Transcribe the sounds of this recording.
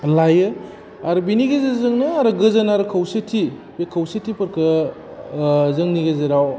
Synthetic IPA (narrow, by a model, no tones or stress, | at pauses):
lajɯ | aɾɯbiniɡezezɯŋnɯaɾɯɡɯzɐnaɾɯkʰɐwsetʰi | pekʰɐwsetʰːipɐɾkʰɯ | zɯŋniɡezeɾaw